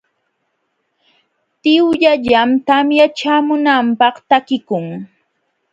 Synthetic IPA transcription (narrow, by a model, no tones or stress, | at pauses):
t̪ɪwʎaʎamt̪amjat͡ʃaːmʊnampɑχt̪akɪkʊŋ